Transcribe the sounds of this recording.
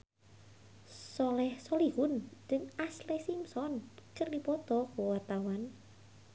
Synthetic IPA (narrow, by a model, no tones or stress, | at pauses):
sɔlɛhsɔlihʊnd͡ʒəŋaslesimsɔnkərdipɔt̪ɔkowart̪awan